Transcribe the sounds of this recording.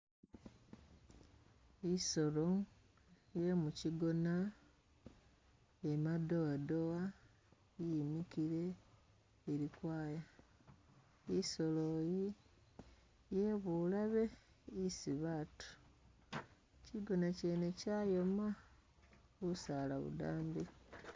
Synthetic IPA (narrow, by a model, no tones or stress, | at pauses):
iso̞loŋ | je̞muciɡo̞na | emado̞wadowa | jimikiɾe̞ː | ɾikwaːja | iso̞loji | jeβulaβe̞ | isiβatu̥ | ciɡo̞nace̞necaːjoma | usalaβṵdaːmbi